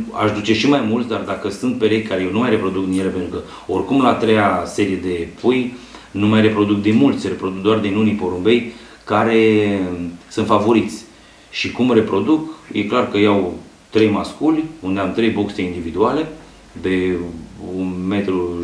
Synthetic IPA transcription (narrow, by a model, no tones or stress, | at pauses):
a̰ʃd̪ut͡ʃe̞ʃimajmult̪sʲd̪ard̪akəsunt̪̚pe̞ɾejʲkaɾejewnumajre̞pɾo̞d̪uk̚d̪injele̞pent̪ɾukə | o̞rkumlaːt̪ɾejase̞ɾije̞d̪e̞pʰuj | numajre̞pɾo̞d̪uk̚d̪inmult̪sʲre̞pɾo̞d̪uk̚d̪oard̪inunipo̞ɾumbe̞j | kaɾe̞ | sɨnt̪favo̞ɾit̪sʲ | ʃikumre̞pɾo̞d̪ukjʔe̞klarkəjaw | t̪ɾe̞jmaskulʲund̪e̞amt̪ɾe̞jbo̞kseind̪ivid̪uale̞ | d̪e̞ | unme̞t̪ɾu